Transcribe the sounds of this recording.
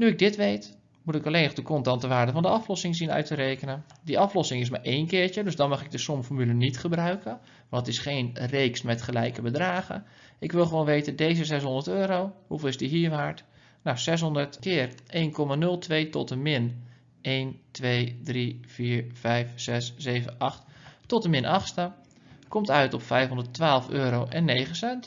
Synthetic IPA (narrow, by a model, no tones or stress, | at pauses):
nyɪɡ̚dɪtʋejt | mutɪkəleːnəχdəkɔntɑntəʋaːɹdəfɔndəɑflɔsɪŋzinœ̰ɥtəɾeːkənəndiʔɑflɔsɪŋɪs̬maːɹʔeːnkɪːɹt͡ʃədøsdɔnmɑχɪɡ̚dəsʊmfɔɹmylənitχəbrœɥkə | ʋntɪsχeːnreːksmɛtχəlɛjkəbədraːχə̰ | ʔɪkʋɪlˠχəʋoːnʋejtədejzəzɛs̬ɦʊndəɹtøːɾowhufəlˠɪsdiɦiːɹɦaɹt | nawsɛs̬ɦɔndəɹtkɪːrʔeːnkʰɔmanɵlˠtʰʋejtɔtəmɪn | ʔeːntʋejdriv̥iːɹfɛjfsɛsːeːvənʔɑχttɔtəmɪnʔɑχstə | kɔmtœɥtɔpfɛjfɦɔndəɹtʋaːlˠføːɾowʔɛnːejχəsɛnt